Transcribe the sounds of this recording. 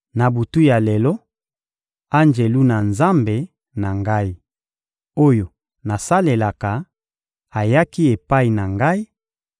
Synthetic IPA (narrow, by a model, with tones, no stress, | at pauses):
na˨bu˨tu˦ja˨le˨lɔ˦ | a˦nd͡ʒe˨lu˦na˨nza˦mbe˨ | na˨ŋɡa˦i˦ | o˦jo˨ | na˨sa˦le˨la˨ka˨ | a˨ja˦ki˦e˨pa˦i˨na˨ŋɡa˦i˦